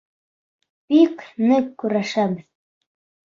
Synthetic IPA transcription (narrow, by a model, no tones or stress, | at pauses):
piknɘkːʉɾaʃabɘð